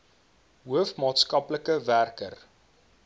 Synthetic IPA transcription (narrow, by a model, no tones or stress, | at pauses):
ɦuəfmɑːtskɐpləkəværkər